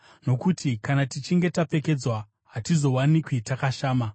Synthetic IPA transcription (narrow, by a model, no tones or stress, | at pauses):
no̞kutʰikanatit͡ʃiŋɡe̞tape̞ke̞d͡zwa | ɦatizo̞wanikwitakaʃaːma